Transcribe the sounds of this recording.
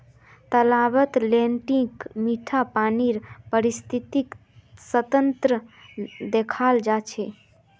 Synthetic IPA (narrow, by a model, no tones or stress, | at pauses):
t̪əlaʋət̪lẽɳʈĩkmiʈʰapaːniɾpəɾist̪ʰit̪ik | sət̪ənt̪ɾəd̪ekʰald͡ʒat͡ʃʰe